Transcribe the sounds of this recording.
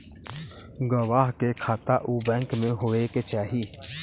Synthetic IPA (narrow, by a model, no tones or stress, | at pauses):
ɡəʋaːɦkekʰaːt̪aːʔuːbɛ̃ːŋkmẽɦoːeket͡ʃaːɦiː